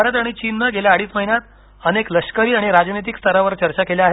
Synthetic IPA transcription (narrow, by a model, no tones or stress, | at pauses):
əɾəd̪aɽ̃it͡ɕinːəɡeljaːɽiːsməɦinjat̪ | ənekləʂkəɾiːaɽ̃iɾad͡ʑnit̪̬ikst̪ʰəɾaʋəɾt͡ɕəɾt͡ɕakeljaaɦe